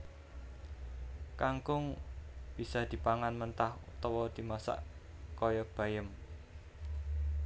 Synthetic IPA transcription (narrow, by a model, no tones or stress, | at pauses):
kaŋkʊŋb̥isad̪̥i̤paŋanmənt̪ahṵt̪ɔwɔd̪̥i̤masa̰ʔ | kɔjɔb̥ä̤jəm